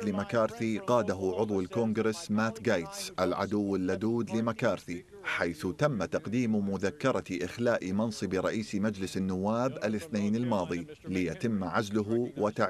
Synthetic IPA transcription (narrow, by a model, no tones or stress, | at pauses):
lɪmakɑːɾθiqɑːd̪aɦʊʕʊðˤwɪlkoŋɡɾɪsmaːt̪ɡaːjt̪sʔalʕa̰d̪ʊwːɪlːad̪uːd̪lɪmakɑːɾθi | ħajθt̪amːat̪ɑqd̪iːmmʊðakːɑɾˤɑʔɪxlaːʔmɑnsˤɨbɾˤɑ̰ʔiːsmad͡ʒlɪsɪnːʊwːaːbʔɪlɪθneːnɪlmɑːðˤilɪjat̪ɪmːʕazlʊɦwɪt̪aʕ